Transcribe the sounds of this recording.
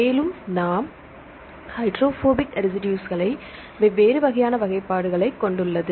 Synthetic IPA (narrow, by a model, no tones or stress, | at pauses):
eːlɯmnaːm | hɐɪʈɾoːfoːbɪkɾɪsɪʈjuːsɣɐɭɐɪ | ʋʋeːɾɯʋɐɣɐjaːnɐʋɐɣɐɪpːaːɽɯɣɐɭɐɪkːɔɳɖɯɭːɐðɯ